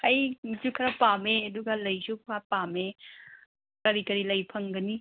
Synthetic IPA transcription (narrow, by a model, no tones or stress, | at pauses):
hɐjd͡ʒukʰɐɾɐpameɐduɡalɐjsupʰkʰapame | kɐɾikɐɾilɐjpʰɐŋɡɐni